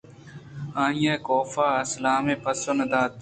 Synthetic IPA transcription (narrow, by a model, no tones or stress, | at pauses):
ãːĩjeːkoːfaːɐslaːmẽːpɐsoːnɐd̪aːt̪